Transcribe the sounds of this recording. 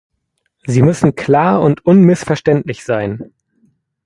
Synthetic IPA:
ziːmʏsn̩kʰl̥aːɐʊntʔʊnmɪsfɛɐʃtɛntlɪçz̥aɪn

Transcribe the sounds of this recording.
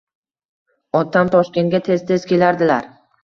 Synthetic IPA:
ɒt̪ʰamt̪ʰɒʃkʲe̞nɡʲat̪ʰe̞z̥t̪ʰe̞z̥kʲe̞laɾd̪ɪlaɾ

